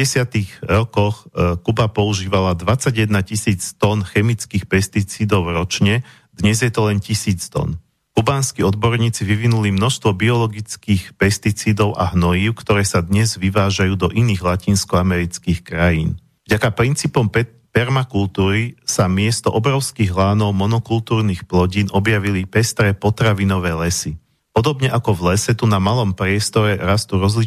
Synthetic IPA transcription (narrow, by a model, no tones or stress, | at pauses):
ɛsɪat̪iɣɾɔkɔxkubapɔuʒiːʋalad̪ʋat͡saɟjɛd̪nacisiːt͡st̪ɔnxɛmit͡skiːxpɛst̪it͡siːd̪ɔʊɾɔt͡ʃɲɛ | d̪̥ɲɛzjɛt̪ɔlɛncisiːt͡st̪ɔ̰n | kubaːnskiɔd̪bɔɾɲiːt͡siʋiʋinulimnɔʃst̪ʋɔbiɔlɔɡit͡skiːxpɛst̪it͡siːd̪ɔʊʔa̰ɦnɔjiːʊkt̪ɔɾɛːsad̪ɲɛzʋiʋaːʒajuːd̪ɔʔiniːɣlaciːnskɔamɛɾit͡skiːxkɾajiːn | vɟakapɾint͡siːpɔm | pɛɾmakult̪uːɾisamɪɛst̪ɔʔɔbɾɔʊskiːɣɦlaːnɔʊmɔnɔkult̪uːɾnixplɔɟiːnʔɔbjaʋilipɛst̪ɾɛpɔt̪ɾaʋinɔʋɛːlɛsi | pɔd̪ɔbɲɛʔakɔvlɛsɛt̪unamalɔmpɾɪɛst̪ɔɾɛɾast̪uɾɔzli